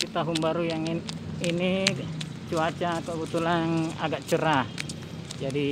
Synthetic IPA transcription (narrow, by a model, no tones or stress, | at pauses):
it̪aɦunbaɾujaŋini | t͡ʃuat͡ʃakəbət̪ulana̰ɡaʔt͡ʃəɾa | d͡ʒadi